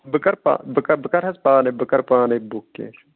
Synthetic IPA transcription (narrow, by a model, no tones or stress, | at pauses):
bəkɐɾpa̰ːbəkɐbəkɐɾɦɐspaːnebəkɐɾpaːnebukːḛ